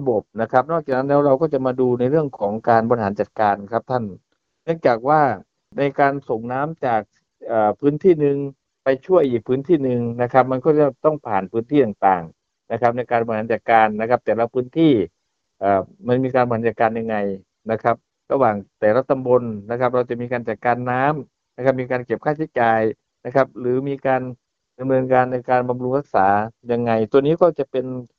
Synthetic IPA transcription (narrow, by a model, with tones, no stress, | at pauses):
a˧bo˨˩p̚na˦˥kʰa˦˥p̚nɔ˥˩k̚t͡ɕaː˨˩na˦˥nlɛː˦˥wɾa˧wkɔː˥˩t͡ɕa˨˩maː˧duː˧na˧jɾɯ˥˩əŋkʰɔː˩˦ŋkaː˧nbɔː˧ɾi˧ɦaː˩˦nt͡ɕa˨˩t̪̚kaː˧nkʰa˦˥p̚t̪ʰa˥˩n | nɯ˥˩əŋt͡ɕaː˨˩k̚waː˥˩ | na˧jkaː˧nso˨˩ŋnaː˦˥mt͡ɕaː˨˩k̚ | ʔəː˨˩pʰɯː˦˥nt̪ʰiː˥˩nɯ˧ŋ | pa˧jt͡ɕʰu˥˩əjʔiː˨˩k̚pʰɯː˦˥nt̪ʰiː˥˩nɯ˨˧ŋna˦˥kʰa˦˥p̚ma˧nkɔː˥˩t͡ɕa˧˩t̪ɔ˥˩ŋpʰaː˨˩npʰɯː˦˥nt̪ʰiː˥˩t̪aː˨˩ŋt̪aː˨˩ŋ | na˦˥kʰa˦˥p̚na˧jkaː˧nbɔː˧i˧haː˩˦˥t͡ɕa˨˩t̪̚kaː˧nːa˦˥kʰa˦˥p̚t̪ɛː˨˩ɾa˧wpʰɯː˦˥nt̪ʰiː˥˩ | ʔaː˨˩ma˧nmiː˧kaː˧nba˧ha˨˦t͡ɕaː˨˩kːaː˧nja˧ŋːa˧j | na˦˥kʰa˦˥p̚ | ɾa˧waː˨˩ŋt̪ɛː˨˩la˦˧˥t̪ːa˧mbo˧nna˦˥kʰa˦˥p̚ɾa˧wt͡ɕa˨˩ʔmiː˧kaː˧nt͡ɕa˨˩t̪̚kaː˧nːaː˦˥m | na˦˥kʰa˦˥p̚miː˧kaː˧nke˨˩p̚kʰaː˥˩t͡ɕʰi˦˥t͡ɕaː˨˩j | na˦˥kʰp̚ɾɯː˩˦miː˧kaː˧n | da˧mnɤː˧nkaː˧nːa˧jkaː˧nba˧mlu˧ŋɾa˦˥k̚saː˩˦ja˧ŋːa˧jt̪u˧ɐniː˦˥kɔː˥˩t͡ɕa˨˩pe˧n